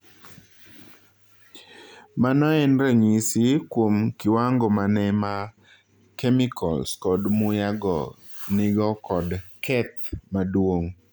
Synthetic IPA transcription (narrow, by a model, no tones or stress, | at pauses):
manɔɛnɾeɲisikwomkɪwaŋɡɔmanɛma | kɛmikʰɔ̰lskɔdmʊjaɡɔ̰ | nɪɡɔkɔdkʰɛt̪̚madwoŋ